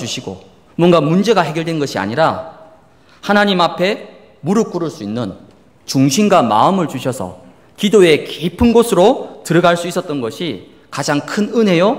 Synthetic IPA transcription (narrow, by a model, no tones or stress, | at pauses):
t͡ɕuɕʰiɡo̰ | mwʌnɡamund͡ʑe̞ɡaɦe̞ɡjʌɭdwenɡʌɕʰia̰ɲiɾa | hanaɲimɦapʰe̞ | muɾɯk͈uɾɯɭs͈uinːɯn | t͡ɕuŋɕʰinɡwama̰ɯmɯɭt͡ɕuɕʰʌsʰʌ̰ | kidoe̞keipʰɯnɡosʰɯɾotɯɾʌɡaɭs͈uis͈ʌt̚t͈ʌnɡʌɕʰi | kad͡ʑaŋkʰɯnɯnɦe̞jo